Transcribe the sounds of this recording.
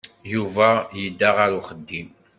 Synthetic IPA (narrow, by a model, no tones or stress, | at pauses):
juvæjəd̪ːaʁaɾuχəd̪ːim